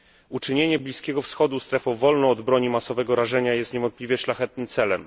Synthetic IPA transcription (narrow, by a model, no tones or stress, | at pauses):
ut͡ʂɘɲeɲɛblʲiskʲɛɡɔfsxɔd̪ust̪ɾɛfɔ̃wvɔlnɔ̃ːd̪bɾɔɲimasɔvɛɡɔɾaʐɛɲajɛst̪ɲevɔnt̪̚plʲivʲjɛʂlaxɛt̪̚nɘmt̪sɛlɛm